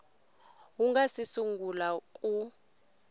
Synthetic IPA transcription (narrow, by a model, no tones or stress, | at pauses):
uŋɡasisuŋɡʱulakʼu